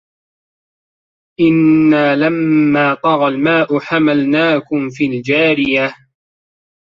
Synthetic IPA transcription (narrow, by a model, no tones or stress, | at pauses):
ʔɪnːaːlamːaːt̪ˤɑɣɑlmaːʔʊħamalnaːkʊmfiːld͡ʒaːɾɪja